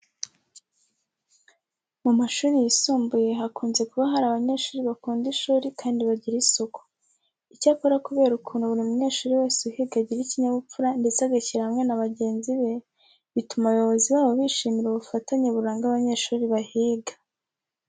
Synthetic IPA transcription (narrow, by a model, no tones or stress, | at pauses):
mumaʃuːɾijisuːmbuje̞ɦakuːnze̞kuβaɦaɾaβaɲe̞ːʃuːɾiβakuːndiʃuːɾikaːndiβaɟiɾisoko̥ | icaːko̞ɾakuβe̞ːɾukʰuːnhuβuɾimuɲe̞ːʃuːɾiweːsiuhiɡaɟiɾiciɲaβup͡fuɾandet͡saɡaciɾaamŋe̞naβaɟe̞ːnziβe̞ | βitumaβjo̞βo̞ziwaːβoβiʃiːmiɾuβufataɲeβuɾaːŋɡaβaɲeʃuːɾiβahiːɡḁ